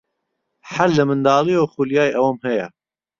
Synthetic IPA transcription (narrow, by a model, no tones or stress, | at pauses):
ħalːɨmɨnd̪ɑːlioxuljɑːjʔɐwɐmhɛjɛ